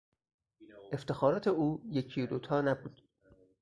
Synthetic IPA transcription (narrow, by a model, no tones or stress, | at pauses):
ʔeft̪e̞xɒːɾɒːt̪ʰe̞uːjecʰijod̪ot̪ʰɒːnæbuːd̪̥